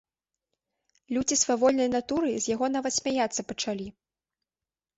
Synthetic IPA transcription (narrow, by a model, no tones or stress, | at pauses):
lʲud͡zʲisvavɔlʲnɐjnat̪uɾɨzʲjaɣɔnavɐt̪sʲmʲajat̪sːɐpɐt͡ʂalʲi